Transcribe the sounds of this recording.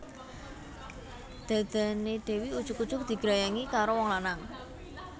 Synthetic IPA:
d̪̥a̤d̪̥a̤neɖ̪̥e̤wiud̥ʒ̥ʊkud̥ʒ̥ʊk̚d̪̥i̤ɡ̥ɾajaŋikaɾowɔŋlanaŋ

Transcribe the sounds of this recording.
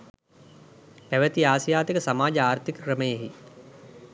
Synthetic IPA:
pæʋət̪iaːsjaːt̪ikəsamaːd͡ʒəaːɾt̪ʰikəkɾəməjeɦi

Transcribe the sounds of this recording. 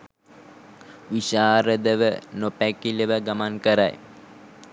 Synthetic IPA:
ʋiʃaːɾəd̪əʋənopækiləʋəɡamaŋkəɾa̰j

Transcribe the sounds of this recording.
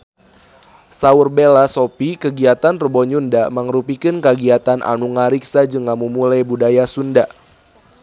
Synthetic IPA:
saurbelasopikəɡiat̪anrəbɔɲundaməŋɾupikɨnkəɡiat̪anʔa̰nuŋaɾiksad͡ʒɨŋamumulajbudajasunda

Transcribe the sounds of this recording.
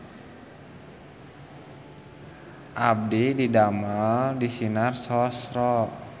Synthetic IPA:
ʔab̚dididamaldisinarsɔsrɔ

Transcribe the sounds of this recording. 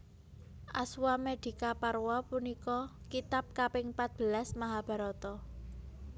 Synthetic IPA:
ʔa̰swamed̪̥i̤kaparwɔpunikɔkit̪ap̚kapɪŋpat̪̚b̥ə̤lasmaɦab̥a̤ɾɔt̪ɔ

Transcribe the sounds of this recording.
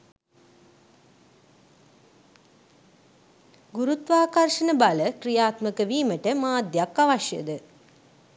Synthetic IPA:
ɡuɾut̪ʋaːkarʂənəbaləkɾijaːt̪məkəʋiːməʈəmaːd̪jakːaʋaʃjə̰d̪ə

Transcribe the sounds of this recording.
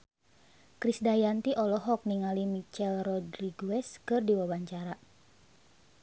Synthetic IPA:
kɾisdajant̪iʔɔlɔɦɔk̚niŋalimit͡ʃɛlrɔdriɡuɛskɨrdiwabaɲt͡ʃaɾa

